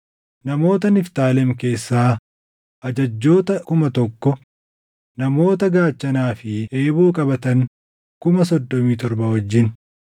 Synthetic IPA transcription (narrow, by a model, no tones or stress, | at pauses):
nɐmo̞ːt̪̬ɐnɪft̪aːlɛmke̞ːsːaː | ʔɐd͡ʒɐd͡ʒːo̞ːt̪ɐkʊmɐt̪ɔkːɔ | nɐmo̞ːt̪ɐɡaːt͡ʃːɐnaːfɪʔeːbuːkʼɐbɐt̪ɐŋ | kʊmɐsɔd̪ːɔmiːt̪ɔɾbɐwɔd͡ʒːɪn